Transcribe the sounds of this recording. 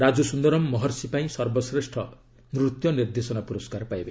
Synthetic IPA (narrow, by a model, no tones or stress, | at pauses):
ɾad͡zusund̪ʌɾɔmːʌɦʌrsipaĩsʌrbɔsɾesʈʰʌ | nɾut̪jɔnird̪esɔnapuɾɔskarpajbe